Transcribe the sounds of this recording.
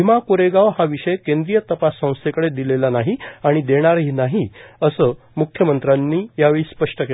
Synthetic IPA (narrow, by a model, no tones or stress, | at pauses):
imakoɾeɡaʋhaʋiʂəjekẽnd̪ɾijət̪əpasːə̃w̃st̪ʰekəɽed̪ilelanaɦiaɽ̃id̪eɽ̃aɾɦiːnaɦiəsəː | mukʰjəmənt̪ɾanːiːjaʋeɭiːspəʂʈəke